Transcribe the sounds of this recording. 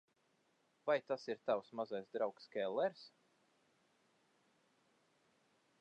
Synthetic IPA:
vajt̪asiɾt̪awsmazajsd̪ɾawkskʲɛlˠːɛɾs

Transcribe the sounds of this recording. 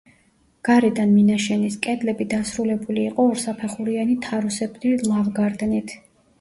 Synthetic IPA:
ɡ̥aɾɛd̪anminaʃɛniskʼɛd̪lɛbid̪asɾulɛbuliːqʼɔːɾsapʰɛχuɾianit̪ʰaɾusɛbɾilˠavɡaɾd̪nit̪ʰ

